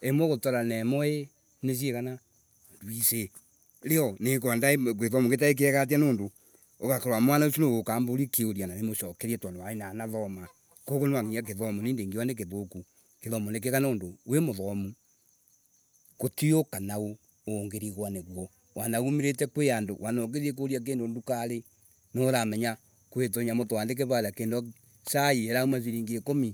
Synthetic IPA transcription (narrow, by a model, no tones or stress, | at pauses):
emɔɣotɔɾanɛmɔe | nes̬ieɣana | ndwise | ɾeɔnekandaekeðɔmuket̬aek̬eɛɣat̬ianoːndo | okakeɾwamwanaosonoɣokaːmboɾikeoɾananemoʃɔkɛɾiɛtwanewaenanaðɔma | kokonewaŋiak̬eðɔmuneːndeːŋɡiwanek̬eðoku | keðɔmunek̬ekanoːndowemoðɔmu | kotiokanao | oːŋɡeɾiɣwaneɣwɔ | wanaɣumiɾet̬ɛkweandowʔanok̬eðiek̬oɾiak̬eːndondukaɾe | noɾamɛɲa | kwet̬oɲamotowaːndek̬eβaɾjakendɔ | saieɾaumaziɾiːŋɡekomi